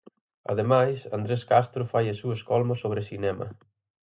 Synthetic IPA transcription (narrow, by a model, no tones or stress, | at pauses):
ɐ̰ðemajsand̪ɾeskast̪ɾʊfajɐsuɐskɔlmosːoβɾesinɛmɐ̰